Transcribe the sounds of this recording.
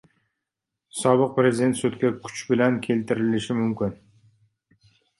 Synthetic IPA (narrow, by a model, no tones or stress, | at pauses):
sɒbɪq̚pɾezɪd̪e̞nt̪sʊt̪kʲakʰʊ̥t͡ʃbɪlankʲʰe̞lt̪ʰɪɾɪlɪʃɪmʊmkʲʰɪn